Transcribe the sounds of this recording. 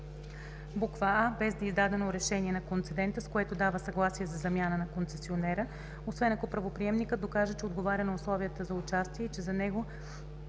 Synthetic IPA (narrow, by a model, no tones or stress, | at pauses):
bukvəabɛzd̪ɐizd̪ad̪ɛnoɾɛʃɛniɛnɐkont̪sɛd̪ɛnt̪əskoɛt̪od̪avəsɐɡlˠasiɛzɐzɐmʲjanənɐkont̪sɛsionɛɾə | osvɛnɐkopɾɐvopɾiɛmnikət̪d̪okaʒət͡ʃɛod̪ɡovaɾʲənɐʊslˠɔviət̪əzɐʊt͡ʃast̪iɛit͡ʃɛzɐnɛɡo